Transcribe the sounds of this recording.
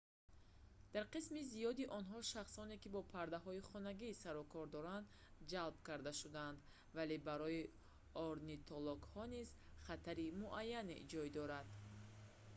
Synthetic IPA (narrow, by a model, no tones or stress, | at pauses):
d̪̥aɾqismizijɔd̪iʔɔnɦɔʃaχsɔne̞kibɔpʰaɾd̪aɦɔiχɔnaɡisaɾɔkʰɔɾd̪ɔɾand̪ | d͡ʒalbkaɾd̪aʃud̪aand̪ | vale̞baɾɔi | ɔɾnit̪ʰɔlɔɡhɔniz | χat̪ʰaɾimuʔajːanḛd͡ʒɔjd̪ɔɾad̪